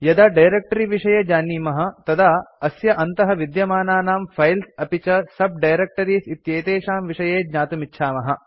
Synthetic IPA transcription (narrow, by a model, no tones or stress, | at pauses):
jɐd̪aːɖɐjɾek̚ʈɐɾiʋiʂɐjeːd͡ʒaːniːmɐɦɐ̆t̪ɐd̪aɐsjɐʔɐnt̪ɐɦɐʋid̪jɐmaːnaːnaːmfʰɐjlsɐpit͡ʃɐsɐb̚ɖɐjɾek̚ʈɐɾiːsit̪jeːt̪eːʂaːmʋiʂɐjeːd͡ʒɲaːt̪umitːʃʰaːmɐɦɐ